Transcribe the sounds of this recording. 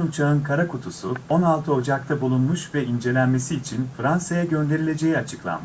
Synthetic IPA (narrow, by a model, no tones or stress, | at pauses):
umt͡ʃʰaɯnkʰaɾakʰut̪ʰusuo̞nalˠt̪ʰɯo̞d͡ʒak̚t̪ʰabulˠunmuʃvɛind͡ʒe̞lʲænme̞siːt͡ʃʰinfɾansajaɟø̞nd̪e̞ɾilʲe̞d͡ʒe̞jiat͡ʃʰɯklˠa̰mɯ